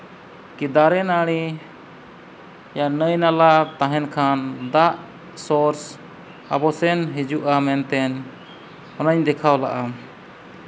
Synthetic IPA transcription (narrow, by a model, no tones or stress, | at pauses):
kid̪aɾɛnaɽ̃i | janəjnalat̪ãɦɛnkʰand̪aʔ | sɔɾs | a̰bɔsɛnɦid͡ʒuʔamɛnt̪ɛn | ɔnəɲd̪ɛkʰawla̰ʔa